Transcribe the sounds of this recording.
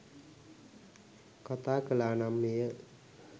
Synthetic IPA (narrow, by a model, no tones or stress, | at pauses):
kʌt̪akəlanamnijə